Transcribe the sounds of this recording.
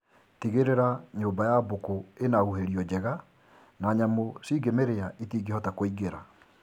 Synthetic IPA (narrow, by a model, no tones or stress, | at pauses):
tiɣeɾeɾaɲoːmbajabokoenaɣuɦeɾiɔd͡ʑɛɣa | naɲamosiːɡemeɾeaʔitiːɡihɔtakoiɡeɾa̰